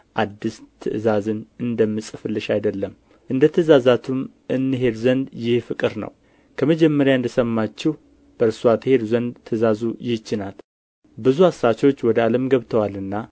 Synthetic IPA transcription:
ʔad̪ːist̪ʰɨʔɨzazɨnɨnd̪əmːɨsʼɨfɨlːɨʃajd̪əlːəm | ʔɨnd̪ət̪ʰɨzazat̪ʰum | ʔɨnːɨɦe̞d̪zənd̪jɪhfɨkʼɨɾnə̰w | kʰəməd͡ʒɛmːəɾjaɨnd̪əsəmːat͡ʃːɪh | b̥əɾsuat̪ʰɨhe̞d̪uzənd̪t̪ʰːɨzazujɪht͡ʃːɪnal | bɨzuasːat͡ʃo̞t͡ʃːwɔd̪əaləmɡəβt̪ʰəwalɨnːa

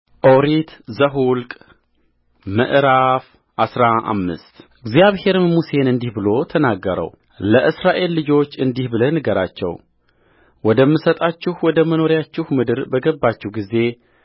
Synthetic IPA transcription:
ʔo̞ɾit̪zəɦulkʼ | mə̰ʔɾaf | ʔasɾaʔa̰mːɨ̰st̪ʔɨɡzjaβhe̞ɾmuse̞nɨnd̪ihbɨlo̞t̪ʰənaɡːəɾə̰w | ləʔɨsɾaʔe̞lːɨd͡ʒo̞t͡ʃːɨnd̪ihbɨlənɨɡəɾa̰t͡ʃːɛ̰w | wɔd̪əmːɨsət̪ʼat͡ʃːɪhwɔd̪əməno̞ɾjat͡ʃːɪhmɨd̪ɨɾbəɡəbːat͡ʃːɛhɡize̞

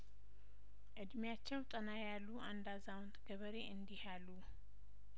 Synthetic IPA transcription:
ʔɨd̪mjat͡ʃːɛwt̪ʼənajalːuʔand̪azawnt̪ʰɡəβəɾeʔɨnd̪ihalːu

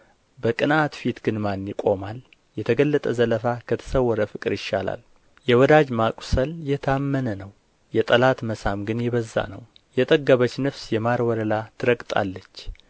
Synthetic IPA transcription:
bəkʼɨnat̪fit̪ɡ̥ɨnmanːikʼo̞mal | jɛt̪ʰəɡəlːət̪ʼəzələfakʰət̪ʰə̥səwːɔɾəfɨkʼɨɾjɪʃːala̰l | jɛwɔd̪ad͡ʒmakʼu̥səljɛt̪ʰamːənənəw | jɛt̪ʼəlat̪məsamɡɨnjɛβəzːa̰nəw | jɛt̪ʼəɡːəβət͡ʃːnəfsjɛmaɾwɔɾəlat̪ʰɨɾəɡʼt̪ʼa̰lːət͡ʃː

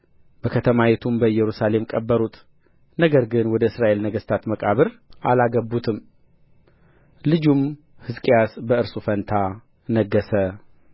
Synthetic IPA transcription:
b̥əkʰət̪ʰəmawɛt̪ʰumbəjɛɾusale̞mkʼəbːəɾut̪ | nəɡəɾɡɨnwɔd̪əɨsɾaʔe̞lnəɡəst̪ʰat̪məkʼaβɨɾʔalaɡəbːut̪ʰɨm | lɨd͡ʒum | hɨzkʼijasbəɨɾsʼufənt̪ʰa | nəɡːəsə

